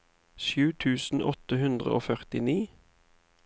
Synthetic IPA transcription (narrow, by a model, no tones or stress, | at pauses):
ʃjʉːt̪ʰʉːsn̩ʔɔt̪əhʉnd̪ʁə̰ʔo̰ːfœʁt̪ɪniː